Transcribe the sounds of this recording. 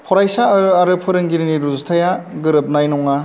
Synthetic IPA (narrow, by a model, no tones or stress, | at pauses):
pʰɔɾajsaɾɐɾɯpʰɯɾɯŋɡiɾiniɾuztʰajaɡɯɾɯp̚najnɔŋa